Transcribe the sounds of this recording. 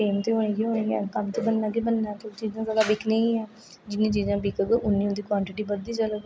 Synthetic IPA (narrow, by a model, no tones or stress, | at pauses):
eːmt̪eːɦoːɽ̃eːɡiːɦoːɽ̃eːɡɛːkəmt̪eːbənːãːɡiːbənːaːt̪ot͡ʃiːzãːzaːd̪aːbɪkʰneːĩːɛ̃ː | d͡ʒɪnːĩːt͡ʃiːzãːbɪkəɡʔʊnːĩːʊ̃nd̪iːkʋãːɳʈɪʈiːbəd̪iːt͡ʃələɡ